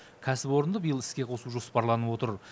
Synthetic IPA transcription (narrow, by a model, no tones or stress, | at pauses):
kʲʰæsɪpo̞ɾənd̪əbijəlˠɪskʲe̞qʰo̞suʒo̞spɑɾlˠɑnəwo̞t̪əɾ